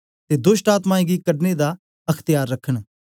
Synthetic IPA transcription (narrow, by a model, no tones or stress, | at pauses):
t̪ed̪ʊʃʈaːt̪mãːĩɡikɐɖned̪a | ɐkʰt̪ɪjaːɾːɐkʰːəɽ̃